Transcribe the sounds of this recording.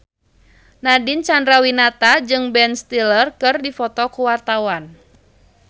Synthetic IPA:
nadint͡ʃandɾawinat̪ad͡ʒɨŋbɛnst̪ilərkɨrdifɔt̪ɔkuwart̪awan

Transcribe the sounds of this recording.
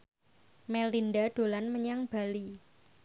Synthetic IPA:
mɛlinɖaɖ̪̥o̤lanməɲaŋb̥a̤li

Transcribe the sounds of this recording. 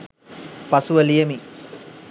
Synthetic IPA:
pɐsuʋɐlijɐmi

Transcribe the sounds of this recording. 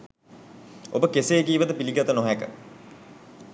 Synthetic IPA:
o̰bəkeseːkiːʋət̪əpiliɡat̪ənoɦækə̰

